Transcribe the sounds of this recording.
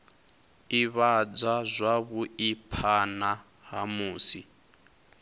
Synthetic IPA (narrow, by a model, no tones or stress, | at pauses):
iβad͡zazʷaβuipʰana | ɦamuːsi